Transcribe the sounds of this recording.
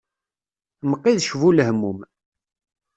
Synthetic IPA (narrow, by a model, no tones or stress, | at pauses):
məqːiðʃvuləɦhmːum